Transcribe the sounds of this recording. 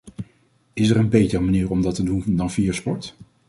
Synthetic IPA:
ɪsɛɹənbejtərmaniːɹɔmdɑtədundɑnviːjaspɔɹt

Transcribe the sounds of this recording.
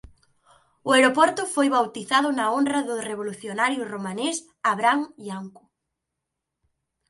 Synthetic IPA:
ʊeɾopɔɾt̪ʊfojβawt̪iθaðʊnɐonrɐðʊreβ̞oluθjonaɾjʊromanes | aβɾaŋiaŋkʊ̥

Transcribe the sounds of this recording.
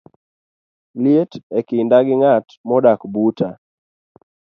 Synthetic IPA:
ljetɛkɪndaɡɪŋatmɔdakbuta

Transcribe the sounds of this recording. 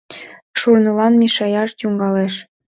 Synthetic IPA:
ʃurnɤlɑnmʲiʃɑjɑʃtuŋɡɑleʃ

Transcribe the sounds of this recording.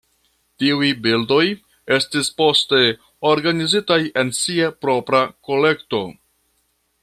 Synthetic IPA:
tiujbildo̞j | e̞stispo̞ste̞ | o̞ɾɡanizitaje̞nsiapɾo̞pɾako̞le̞kto̞

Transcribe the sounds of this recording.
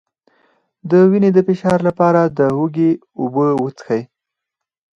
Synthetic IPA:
d̪əwined̪əfɪʃɑɾlapɑɾad̪əɦuɡe | ʊbəwət͡sə̥xaj

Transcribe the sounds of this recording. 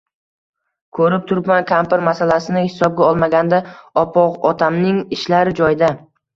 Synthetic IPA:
kʰɵɾɪp̚t̪ʰʊɾpmankʰampɪɾmasalasɪnɪhɪ̥sɒb̚ɡʲaɒlˠmaɡʲand̪aɒpʰɒqɒt̪ʰamnɪŋɪʃlaɾɪd͡ʒɒjɪd̪a

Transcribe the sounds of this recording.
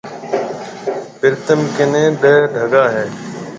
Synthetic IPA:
pɪɾt̪əmkɪnẽːɗəɦɖʱəɡaːɦeː

